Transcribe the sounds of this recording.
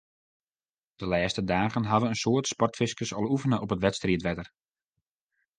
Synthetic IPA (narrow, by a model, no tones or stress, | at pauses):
d̥əlɛːstədaːɣənɦɑdənənsoːtspɔrtfɪskəsɔlˠufənəʔɔpətʋɛtstriətʋɛdər